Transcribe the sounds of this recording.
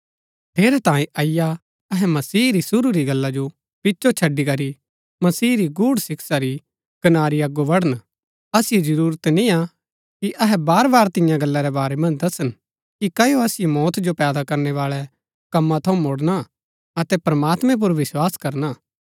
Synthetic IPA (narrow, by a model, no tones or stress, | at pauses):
t̪ʰeːɾɛt̪ãːẽʔɐɪja | ɐɦɛmɐsiːɾisʊɾuɾiɡɐlːad͡ʒo | pɪtːʃot͡ʃʰɐɖːikɐɾi | mɐsiːɾiɡuːɽsɪksaɾi | kɐnaːɾiɐɡːoʋɐɽ̤ən | ɐsɪjed͡ʒɐɾuːɾət̪nĩa | kiʔɐɦɛbaːɾbaːɾt̪ɪ̃jãɡɐlːaɾɛbaːɾɛmɐ̃nd͡ʒd̪ɐsən | kikɐjoɐsɪjemɔːt̪d͡ʒopɛːd̪akɐɾnɛʋaːɭɛ | kɐmːãt̪ʰɐũmoɽna | ɐt̪ɛpɾɐmaːt̪mɛ̃p̬ʊɾʋɪswaːskɐɾnaː